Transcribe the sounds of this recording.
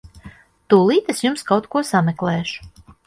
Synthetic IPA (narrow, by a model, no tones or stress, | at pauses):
t̪uːlˠiːt̪esjumskawt̪kuɔsamɛklˠɛːʃu̥